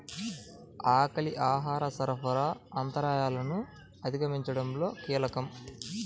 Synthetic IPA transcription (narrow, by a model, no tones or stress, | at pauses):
aːkɐliʔaːɦaːɾɐsɐɾɐpɐɾaːaːnt̪ɐɾaːjaːlɐnu | ɐd̪ʱiɡɐmiɲt͡ʃɐɽɐmlo̞ːkiːlɐkɐm